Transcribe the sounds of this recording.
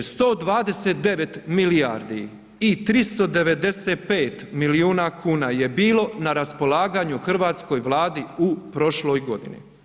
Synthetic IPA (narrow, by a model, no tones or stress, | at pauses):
st̪o̞ːd̪ʋaːd̪e̞seːt̪̚d̪e̞ʋet̪milijaɾd̪i | it̪ɾist̪o̞d̪e̞ʋe̞d̪e̞set̪̚peːt̪miliuːnakʰuːnaje̞biːlˠo̞naɾaspo̞lˠaːɡaːɲuxr̩ʋaːt̪sko̞jʋlˠaːd̪iupɾo̞ʃlo̞ːjɡo̞d̪ḭnḭ